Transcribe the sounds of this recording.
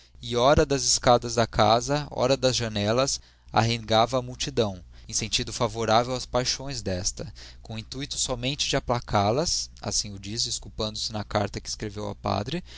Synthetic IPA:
ɪɔɾɐd̪ɐzɪskad̪ɐzd̪ɐkʰazɐɔ̰ɾɐd̪ɐzʒɐnɛlɐs | a̰ɦẽɡavɐːmuwt͡ʃid̪ɐ̃w̃ | ẽsẽnt͡ʃid̪ʊfavoɾavewɐspajʃõj̃zd̪ɛst̪ɐkõĩnt̪uit̪ʊ̥sɔmẽnt͡ʃɪd͡ʒɪaplakʰalɐsa̰sĩʊd͡ʒisɪːskupɐ̃nd̪ʊsɪnɐka̰ɾt̪ɐkɪskɾevewɐ̰pa̰d̪ɾɪ

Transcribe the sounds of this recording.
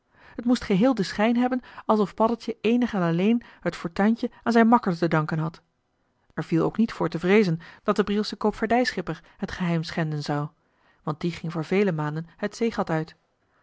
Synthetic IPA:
ɦətmustχəɦɪːlˠdəsχɛjnɦɛbənɑlˠsɔfpɑdəlˠtjəejnəχanɑlejnɦətfɔɹtœɥncəaːnzɛjnmɑkəɹtədɑŋkənɦɑt | ɛɹv̥ilˠo̰wknitfʊːɹtəvrejzənd̥ɑt̚dəbrilˠsəkowpfaɹdɛjsχɪpəɹɦətχəɦɛjmsχɛndənzɑw | ʋɑnt̚diχɪŋvʊːɹvejləmaːndənhətsejχɑtœɥt

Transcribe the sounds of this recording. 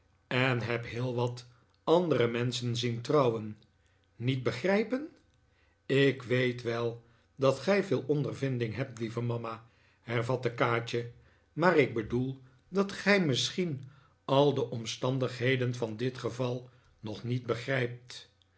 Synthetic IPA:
ɛnɦɛpɦɪːlˠʋɑt | ɑndəɾəmɛnsənzintrɑwənː | it̚bəχrɛjpən | ɪkʋejtʋɛlˠ | dɑtχɛjvɪːlˠɔndərvɪndɪŋɦɛp̚tlivəmɑma | hɛɹvɑtəkaːt͡ʃə | maːrɪɡ̚bədulˠ | dɑtχɛjmɪsχin | ɑlˠdəʔɔmstɑndəχɦejdənvɑndɪtχəvɑlˠ | nɔχnit̚bəχrɛjp̚t

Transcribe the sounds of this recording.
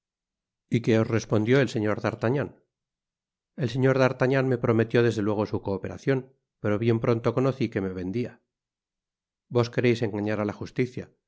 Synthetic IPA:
ike̞o̞zre̞spo̞nd̪jo̞else̞ɲo̞ɾðaɾt̪aɲan | e̞lse̞ɲo̞ɾðaɾt̪aɲanme̞pɾo̞me̞t̪jo̞ðe̞zðe̞lwe̞ɣ̞osuko̞ːpe̞ɾa̰θjo̞n | pe̞ɾo̞βje̞mpɾo̞nt̪o̞ko̞no̞θike̞me̞βe̞nd̪ia | bo̞ske̞ɾe̞jse̞ŋɡaɲaɾalaxust̪iθja

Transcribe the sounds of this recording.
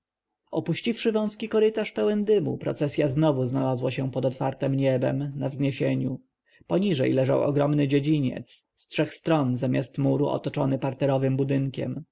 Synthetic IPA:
ɔpuɕt͡ɕifʂɘvɔ̃w̃skʲikɔɾɘt̪aʂpɛwɛnd̪ɘmṵpɾɔ̰t̪sɛsʲjaznɔvuznalazwaɕɛpɔd̪ɔt̪faɾt̪ɛmɲɛbɛ̰mnavzɲeɕeɲu | pɔɲiʐɛ̰jlɛʐa̰wɔ̰ɡɾɔmnɘd͡ʑed͡ʑiɲɛ̰t̪sstʂɛxst̪ɾɔnzamʲjast̪muɾuʔɔ̰t̪ɔt͡ʂɔnɘpaɾt̪ɛɾɔvɘmbud̪ɘŋkʲɛ̰m

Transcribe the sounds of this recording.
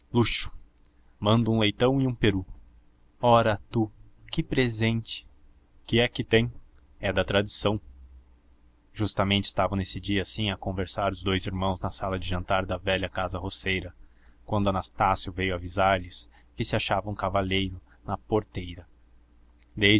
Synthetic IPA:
luʃʊ̥ | mɐ̃nd̪ʊũlejt̪ɐ̃w̃ɪũpeɾu | ɔɾɐt̪ukɪpɾezẽnt͡ʃɪ̥ | kɪɛkɪt̪ẽj̃ | ɛd̪ɐt̪ɾad͡ʒisɐ̃w̃ | ʒ̥ust̪ɐmẽnt͡ʃɪ̥st̪avɐ̃w̃nesɪd͡ʒiɐsĩɐkõveɾsaɾʊzd̪ojziɾmɐ̃w̃znɐsalɐd͡ʒɪʒɐ̃nt̪aɾd̪ɐvɛʎɐkazɐɦosejɾɐ | kwɐ̃nd̪ʊanast̪asjʊvejʊavizaɾlɪs | kɪsɪaʃavɐ̃w̃kavaʎejɾʊ | nɐpoɾt̪ejɾɐ | d̪e

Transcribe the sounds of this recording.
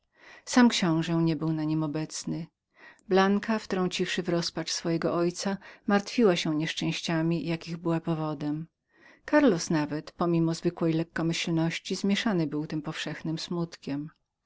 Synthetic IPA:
samkɕɔ̃w̃ʐɛɲɛbɘwnaɲimɔbɛt̪snɘ | blaŋkaft̪ɾɔ̃ɲt͡ɕifʂɘvɾɔspat͡ʂsfɔjɛɡɔʔɔjt̪samaɾt̪fʲiwaɕɛ̃ɲɛʂt͡ʂɛ̃w̃ɕt͡ɕamʲijakʲiɣbɘwapɔvɔd̪ɛm | kaɾlɔsnavɛt̪pɔmʲimɔzvɘkwɛjlɛkːɔmɘɕlnɔɕt͡ɕizmʲjɛʂanɘbɘwt̪ɘmpɔfʂɛxnɘmsmut̪kʲɛm

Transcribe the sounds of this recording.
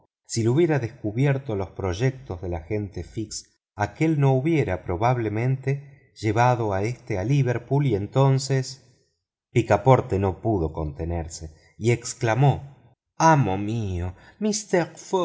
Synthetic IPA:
siluβje̞ɾaðeskuβjeɾt̪o̞lo̞spɾo̞ʒek̚t̪o̞zðe̞laxe̞nt̪e̞fiks | ake̞lno̞uβje̞ɾapɾo̞βaβle̞mẽ̞nt̪e̞ | ʒ̥e̞βaðo̞aest̪ealiβeɾpulie̞nt̪o̞nses | pikapo̞ɾt̪eno̞puð̞o̞ko̞nt̪eneɾse | ieksklamo̞ | amomio | mist̪eɾfo

